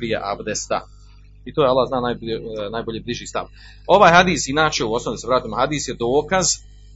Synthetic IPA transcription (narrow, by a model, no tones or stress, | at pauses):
ɾijḛʔa̰bd̪est̪a̰ | it̪oːjalːaːhznaːnajbnaːjboʎebliʒiːst̪a̰ʋ | o̞ʋaːjɦad̪iːsinaːt͡ʃeuo̞snoid̪seɾaːt̪imohad̪iːsjed̪oːkaz